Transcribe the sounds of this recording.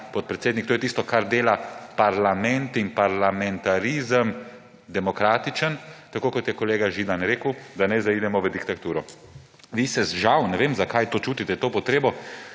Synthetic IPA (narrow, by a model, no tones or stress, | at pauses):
pɔt̪̚pɾɛt̪seːd̪nikt̪oːjɛt̪ist̪ɔkaɾd̪eːlapaɾlamɛ̃nt̪inpaɾlamɛnt̪aɾizəm | d̪ɛmɔkɾaːt̪it͡ʃənt̪akoːkɔt̪jɛkɔleːɡaʒiːd̪anɾeːkəwd̪anajzaiːd̪ɛmɔʋəd̪ikt̪at̪uːɾɔ | ʋisɛzʒawnɛʋeːmzakajt̪oːt͡ʃuːt̪it̪ɛt̪oːpɔt̪ɾeːbɔ